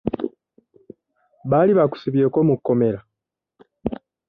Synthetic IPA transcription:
βaliβaku̥siβje̞ːko̞mukːo̞me̞ɾa

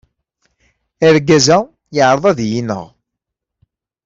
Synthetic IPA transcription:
æɾɡæzæ | jəʕɾˤəðˤɑðjinə̰ʁ

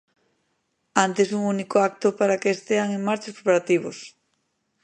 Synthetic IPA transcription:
ant̪esuŋunikoak̚t̪opaɾakeːst̪eaŋeŋmaɾt͡ʃoskɾopaɾat̪iβ̞os

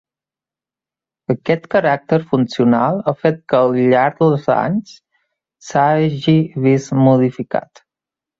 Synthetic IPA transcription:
əkɛt̪kəɾak̚t̪əɾfunsiunalˠəfet̪̚kəːlˠʎaɾd̪əlˠza̰ɲs | saʒiβismuðifika̰t̪

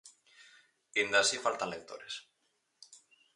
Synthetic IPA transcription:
ind̪asifalt̪anlek̚t̪o̰ɾes

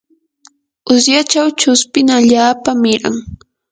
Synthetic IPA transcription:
ʊsjat͡ʃawt͡ʃʊspɪŋaʎaːpamɪɾa̰ŋ

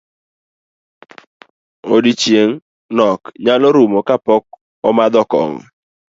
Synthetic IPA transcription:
odit͡ʃjeŋ | nɔkɲalɔɾumokapɔk̚ | ɔmad̪ɔkɔ̰ŋɔ̰

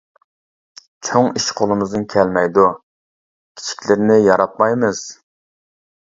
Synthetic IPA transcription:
t͡ʃʰoŋiʃqʰolˠɨmɨzd̪ɨnkʲʰɛlmɛjd̪u | kʲʰi̥t͡ʃʰi̥kʲlɪɾnɪjɑɾɑt̪̚mɑjmɨz̥

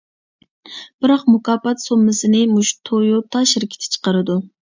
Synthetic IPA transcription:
b̥ɪɾɑqmukɑːpɑt̪somːɨsɨnɪmuʃt̪ʰojut̪ʰɑʃɪɾkʲʰɪ̥t̪ʰɪ̥t͡ʃʰə̥qəɾɨd̪u

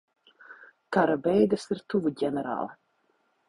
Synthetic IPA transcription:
kaɾabɛjd̪ɨsiɾt̪uvuɟʲɛnɛɾa̰ːlˠɐ

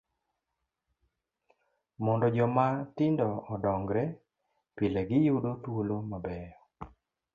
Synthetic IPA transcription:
mɔndɔd͡ʒɔmatɪndɔːdɔŋɡɾɛ | pilɛɡɪjudotwolomabɛɔ

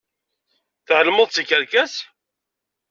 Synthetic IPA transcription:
θʕəlməðˤt͡sːikəɾkæs

